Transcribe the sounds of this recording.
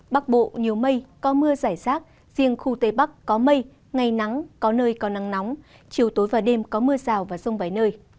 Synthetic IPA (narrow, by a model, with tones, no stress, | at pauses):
ɓa˦˥k̚ɓo̰˧˨ɲi˨˩əwmə˧jkɔ˨˦mɨ˧əzaː˧˩jsaː˦˥t̚ | z̥i˧əŋxu˧t̪e˧˩ɓa˦˥kːɔ˨˦mə˧j | ŋa˨˩jna˨˦ŋkɔ˨˦nəː˧jkɔ˨˦na˨˦ŋna˨˦wŋ͡m | t͡ɕi˨˧˩əwt̪o˨˦jvaː˨˩ɗe˧mkɔ˨˦mɨ˧əzaː˨˩wvaː˨˩zə˧wŋ͡mvaː˨˦jnəː˧j